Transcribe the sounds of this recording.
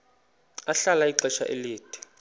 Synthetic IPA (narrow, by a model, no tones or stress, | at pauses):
aɬalaiǀɛʃa̰ʔḛliːd̥ʱi̥